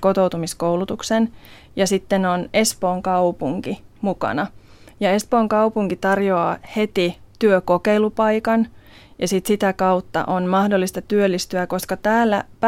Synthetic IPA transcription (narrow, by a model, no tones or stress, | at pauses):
kot̪owt̪umiskoulut̪uksen | jɑsit̪ːenone̞spoːŋkɑupuŋkimukɑ̰nɑ | jɑespoːŋkɑupuŋkit̪ɑrjoɑːhe̞t̪it̪yøkokeilupɑikɑn | jɑsit̪sit̪ækɑut̪ːɑ̰ʔonmɑhdolːist̪ɑt̪yølːist̪yækoskɑt̪æːlːæ̰p